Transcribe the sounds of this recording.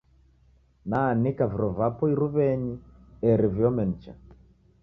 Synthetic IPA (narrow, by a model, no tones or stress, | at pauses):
nanikaviɾɔvapɔiɾuβɛɲiɛɾivjɔmɛn̩t͡ʃa̰